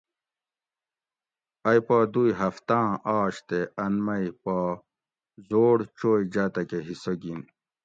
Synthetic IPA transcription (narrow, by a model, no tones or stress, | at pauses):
ɐjpad̪ujɦɐft̪ãːʔaːɕt̪eɐnmɐjpa | zoːɽt͡ɕoːjd͡ʑaːt̪ɐkeɦisoɡin